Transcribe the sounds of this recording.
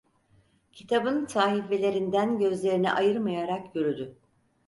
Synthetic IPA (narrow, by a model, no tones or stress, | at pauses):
cʰit̪ʰabɯnt̪ʰaːɦife̞lʲe̞ɾind̪ænɟø̞zlʲe̞ɾinɛ̰ʔajɯɾmajaɾakjøɾyd̪ʏ